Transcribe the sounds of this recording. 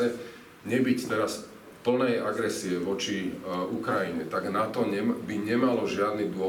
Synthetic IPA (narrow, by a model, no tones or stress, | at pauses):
ɛ | ɲɛbict̪ɛɾas | pl̩nɛjaɡɾɛsiɛʋɔt͡ʃiukɾajiɲɛt̪aɡnat̪ɔɲɛbiɲɛmalɔʒɪad̪nid̪ʊɔ